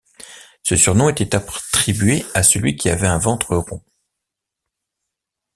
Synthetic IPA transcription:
səsyʁnɔ̃et̪ɛt̪apt̪χibɥeasəlɥikʲiavɛɛ̃vɑ̃t̪χəʁɔ̃

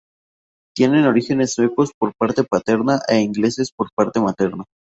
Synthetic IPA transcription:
t̪je̞ne̞no̞ɾixe̞ne̞snweko̞spo̞ɾpaɾt̪e̞pat̪e̞ɾnaʔeiŋɡle̞se̞spo̞ɾpaɾt̪e̞mat̪e̞ɾna

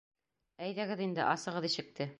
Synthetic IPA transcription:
æjðæɡɘðind̪ɘ̰ʔɑsɤ̆ʁɤðiʃɘ̆k̚t̪ɘ

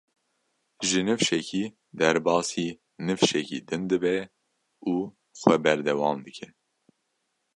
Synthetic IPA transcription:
ʒɨnɨfʃɛkʰiː | d̪ɛɾbɑːsiː | nɨfʃɛkḭːd̪ɨnd̪ɨbɛ | uː | xwɛbɛɾd̪ɛwɑːmd̪ɨkʰɛ

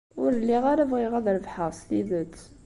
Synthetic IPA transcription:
ʊɾəlːiʁaɾævʁiʁæðɾəvħɑsˤt̪iðət̪

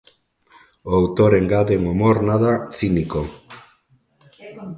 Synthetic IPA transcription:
oawt̪oɾeŋɡaðeŋomoɾnaðaθiniko

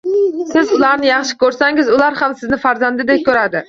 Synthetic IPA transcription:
sɪzʊlˠaɾnɪjɑχʃɪ̥kʲʰɵɾsaŋɪzʊlˠaɾhamsɪznɪfaɾzand̪ɪd̪ep̚kʲʰɵɾad̪ɪ

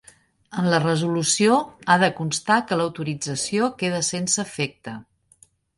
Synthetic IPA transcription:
ənlərəzulusioaðəkunst̪akələwt̪uɾid͡zəsiokeð̞əsensəfek̚t̪ə

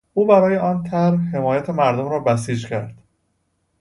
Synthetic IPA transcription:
ʔuːbæɾɒːjeɒːnt̪ʰæɾhhe̞mɒːjæt̪ʰemæɾd̪omɾɒːbæsiːd͡ʒcʰæɾd̪̥

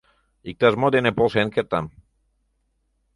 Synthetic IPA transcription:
ik̚t̪azmod̪enepolˠsenkeɾt̪am

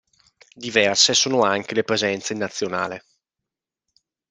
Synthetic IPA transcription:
d̪ivɛrsesoːnoaŋkelepɾezɛnt̪seinːat̪sːjona̰ːle

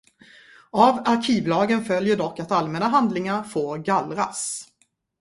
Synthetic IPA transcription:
avaɾkʰiːvlɑːɡənfœljəɖɔkːat̪almɛnaɦand̪lɪŋaɾfoːɾɡalɾas

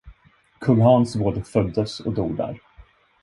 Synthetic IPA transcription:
kʰɵŋɦɑːnsvoːd̪əfœld̪əsɔ̰d̪uːɡd̪æ̰ːɾ

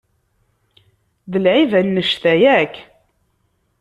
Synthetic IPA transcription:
ðəlʕivænːəʃθæjækː

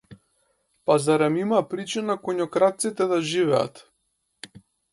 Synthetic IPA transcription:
pazaɾɛmimapɾit͡ʃinakɔɲɔkɾat̪t̪sit̪ɛd̪aʒivɛa̰t̪

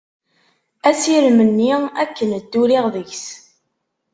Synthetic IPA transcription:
æsiɾmənːiækːənəd̪ːuɾiʁðəʝs

